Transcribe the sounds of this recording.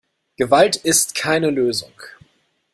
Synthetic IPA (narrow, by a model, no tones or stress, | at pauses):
ɡ̥əvaltɪstkʰaɪnəløːzʊ̰ŋ